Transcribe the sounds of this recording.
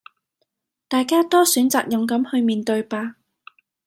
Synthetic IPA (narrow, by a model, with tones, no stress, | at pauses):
t̪aː˨jkaː˥t̪ɔː˥syː˨˥nt͡saː˨k̚jɐ˨mkɐ˨˥mhɵ˧ɥmiː˨nt̪ɵ˧ɥpaː˧